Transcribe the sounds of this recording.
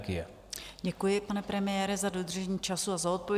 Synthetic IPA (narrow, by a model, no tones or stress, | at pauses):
ɡɪjɛ | ɟɛkujɪpanɛpɾɛmɪjɛːɾɪzadod̪r̩ʒɛɲiːt͡ʃasuazao̞t̪̚povj